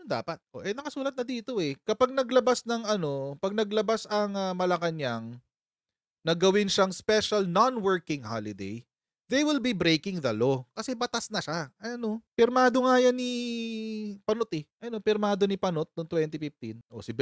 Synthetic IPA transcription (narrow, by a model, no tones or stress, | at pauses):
d̪a̰ːpɐt̪̚ʔo̰ʔɛnɐkɐsuːlɐt̪̚nɐd̪iːt̪o̞ʔɛkɐpaɡ̚nɐɡlɐbasnɐŋɐno̞pɐɡ̚nɐɡlɐbasɐŋɐmɐlɐkɐɲaŋ | nɐɡɐwɪnʃaŋspɛʃɐlnonwɛɹkɪ̃ŋha̰lɪd̪ḛj | ðejwɪlbibɾejkɪŋðɐlokɐsɛbɐt̪asnɐʃaʔɐɐno̞pɪɾmaːd̪o̞ŋajɐni | pɐnot̪ɛʔɐno̞pɪɾmaːd̪o̞nipɐnot̪̚noŋt̪wɛnt̪ɪfɪft̪inʔo̰sɪb